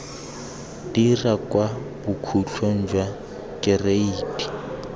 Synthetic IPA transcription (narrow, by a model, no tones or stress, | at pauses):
d̥irakʼwabʊkʰut͡ɬʰwen̩d͡ʒwa | kʼɪreiːtʼi̥